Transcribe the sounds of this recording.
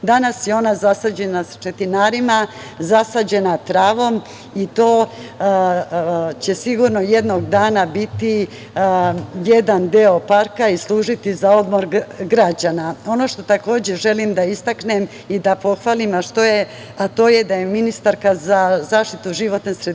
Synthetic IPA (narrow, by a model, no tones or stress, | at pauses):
d̪anasjeo̞nazasad͡ʑe̞nasḁt͡ʃe̞t̪inaːɾima | zasad͡ʑe̞nat̪ɾaːʋo̞m | it̪o̞ː | t͡ɕe̞siɡuɾno̞je̞d̪no̞ɡd̪aːnabit̪i | je̞d̪and̪eo̞paɾkaislˠuːʒit̪izao̞d̪mo̞ɾɡɾad͡ʑanao̞no̞ʃt̪o̞t̪ako̞ːd͡ʑe̞ʒe̞limd̪aist̪aknem | id̪apo̞xʋaːlimaʃt̪o̞je | at̪o̞ːjed̪ajeminist̪aɾkazazaːʃt̪it̪uʒiʋo̞t̪nesɾed̪